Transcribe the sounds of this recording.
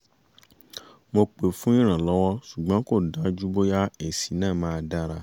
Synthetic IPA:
mo˧k͡pe˨fũ˦ĩ˦ɾ̃ã˨lɔ˨˦wɔ˦ʃu˨ɡ͡bã˨˦ko˦˨da˨˦d͡ʒu˦bo˦ja˦e˨si˨˦nãː˦˨mãː˦˧da˦ɾa˧

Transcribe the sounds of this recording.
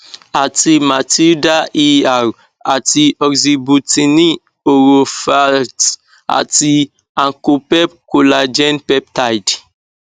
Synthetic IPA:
a˨ti˨ma˨ti˦da˦ʔi˦a˨w | a˨ti˨ɔ˨ɡzi˨bu˨ti˨ni˦ | o˨ɾo˨fa˦t | a̰˨ti˨ | ã˨ŋko˨pɛ˦p̚ko˨la˨d͡ʒɛ̃˦npɛ˦p̚ta˦jd

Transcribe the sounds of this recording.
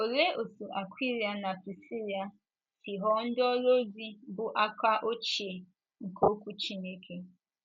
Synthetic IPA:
o˨le˦o˨su˨ʔa˨kʷi˦ɾi˨a˨na˨pi˨si˦ɾi˨a˨ | si˨ɦɔ˦n̩˦dɔ˦lo˦di˦bʊ˨ʔa˦ka˦ʔo˦t͡ʃe˨ | ŋ̩˨kʰo˦kʷu˦t͡ʃi˦ne˦kʰe˦

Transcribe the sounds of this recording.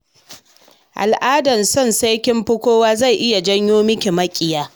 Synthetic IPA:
ʔa̰˨lʔaː˦dɐ˨nsɔ˦˨nsa˦jkʲɪ˦mɸʊ˦kʷoː˦waː˦za˦˨jʔɪ˦ja˨d͡ʒɐ˦ɲjoː˦mɪ˦kʲe˨mɐ˦kʲʼɪ˨jaː˦

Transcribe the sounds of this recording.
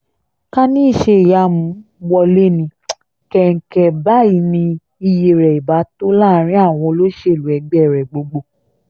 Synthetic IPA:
ka˦nĩ˦i˦˨ʃe˧˨ja˧˦mũ˨˦wɔ˧le˦nĩ˧ | kɛ˦ŋ̩˨˦kɛ˧ba˦i˨˦nĩ˧ | i˧je˨ɾɛ˨i˨ba˨˦to˦la˦˨˦ɾ̃ĩ˦a˦˨w̃ɔ̃˧lo˦ʃe˦˨lu˨ɛ˨˧˦ɡ͡bɛ˦˨ɾɛ˨ɡ͡bo˧ɡ͡bo˧˨

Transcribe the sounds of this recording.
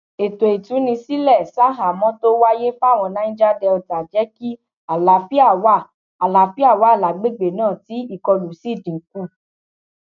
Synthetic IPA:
e˨to˨i˨tũ˨˦nĩ˧si˦lɛ˦˨sa˦ɦa˨mɔ̃˦to˦wa˦je˦fa˦˨w̃ɔ̃˧nã˨˦ĩ˦d͡ʒa˦dɛ˧ɔ˧ta˨d͡ʒɛ˨˦ki˦ | a˨la˨˦fi˦a˦˨wa˦˨ | a˨la˨˦fi˦a˦˨wa˨˦˨la˨ɡ͡be˨˦˨ɡ͡be˨nãː˦˨ti˨˦i˦˨kɔ˧lu˨si˦˨dĩ˨˦ku˦˨

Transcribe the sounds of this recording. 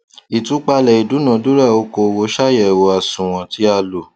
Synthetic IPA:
i˨tũ˨˦k͡pa˧lɛ˨i˨du˨˦nã˨˦du˦ɾa˦˨o˧˦ko˧wo˧˦ʃa˦˨jɛ˦˨wo˧˦a˨sũ˨w̃ɔ̃˧ti˦a˧lo˨

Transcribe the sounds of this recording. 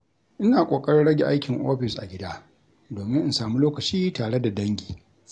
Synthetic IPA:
ʔɪ˦naː˨kʷʼoː˨kʼɐ˦ɽɪ˦ɽɐ˦ɡʲe˨ʔa˦jkʲɪ˨ŋʔo̰ː˦ɸɪ˨sʔa̰˨ɡʲɪ˦da˦ | doː˨mɪ˦ŋʔɪ˦nsaː˨mu˦loː˦kɐ˨t͡ʃiː˦taː˨ɽe˦da˨dɐ˦ŋɡʲi̥ː˨

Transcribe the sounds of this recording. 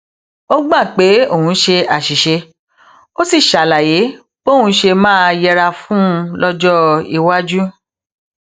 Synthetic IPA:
o˦ɡ͡bã˦˨k͡pe˨˦o˦˨hũ˨˦ʃe˧a˨ʃi˨ʃe˧ | o˦si˦˨ʃa˨la˨je˨˦ | k͡po˦˨ũ˧˦ʃe˧mãː˦jɛ˧ɾa˧fũ˦˧lɔ˦d͡ʒɔ˦i˧wa˦d͡ʒu˦

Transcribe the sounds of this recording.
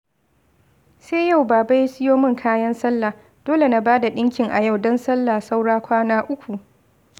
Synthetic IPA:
seː˦ja˦˨wbaː˨ba˦ji˦sɪ˦joː˦mɪ˦ŋkʰaː˦jɐ˦nsɐ˦lːa˨ | d̥oː˦le˨na˨baː˦da˨ɗɪ˦ŋkʲɪ˨ŋʔa˨ja˦˨wdɔ˦nsɐ˦lːa˨sa˦wɽaː˦kʷaː˦naː˦ʔʊ˦kʷu˨ʔ

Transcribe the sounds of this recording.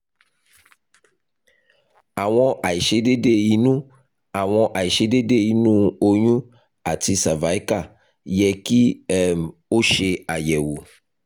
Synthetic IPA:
a˨w̃ɔ̃˦ʔa˨i˨ʃe˦ɖe˦ɖe˦ji˨nũ˦ | a˨w̃ɔ̃˦ʔa˨ji˨ʃe˦ɖe˦de˦˨ji˨nũ˦o˦ɲũ˦ | a˨t̪i˨sa˨va˨˦i˦ka˦˨ | jɛ˨ki˦ɛ˨mo˦ʃe˧a˨jɛ˨wu˨

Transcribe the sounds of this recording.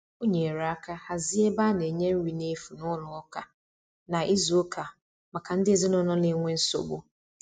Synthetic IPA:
o˦ɲe˨ɾa˨a˦ka˦ha˨zɪ˦e˦ba˦ne˨e˨ɲe˦m̩˦wi˨ne˦fu˨nʊ˦lʊ˨ɔ˦ka˨ | na˨ʔi˦zu˨o˦kʰa˨ | ma˨ka˨n̩˦dɪ˦e˦zɪ˦nʊ˦nɔ˦nɪ˦ŋʷe˦n̩˦so̰˨bo˦

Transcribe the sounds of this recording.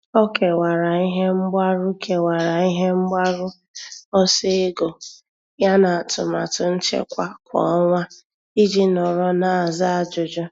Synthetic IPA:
o˦ke˨wa˨ɾa˨i˦ɦe˦m̩˦ɡ͡ba˦ɾʊ˦kʰe˨wa˨ɾa˨i˦ɦe˦m̩˦ɡ͡ba˦ɾʊ˦ | ɔ˦se˦ɡo˨ | ja˦na˨a˨tʊ̰˨ma̰˨tʊ˨n̩˦t͡ʃḛ˦kʷa˦kʷɔ̰˨ɔ˦ŋʷa˦ | i˦d͡ʒi˦nɔ˨ɾɔ˦na˨a˨za˦a˨d͡ʒʊ˨d͡ʒɔ˦

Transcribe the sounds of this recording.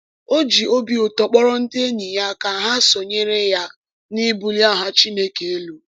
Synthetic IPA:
o˦d͡ʒi˨o˦bi˨o˨tɔ˨k͡pɔ˦ɾɔ˦n̩˦dɪ˦e˦ni˨ja˦ka˨ɦa˦so˨ɲe˦ɾe˦ja˦ | ni˦bu˦lja˦˨ɦa˦t͡ʃi˦ne˦ke˨e˦lu˨

